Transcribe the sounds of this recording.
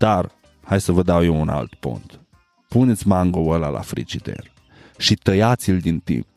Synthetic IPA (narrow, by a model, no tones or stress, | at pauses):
d̪̥ar | hajsəvəd̪awjewunʔa̰lt̪po̰nt̪ | punet̪sʲmaŋɡoəla̰lʔa̰fɾḭd͡ʒid̪ḛr | ʃit̪əjat̪sild̪int̪ḭmp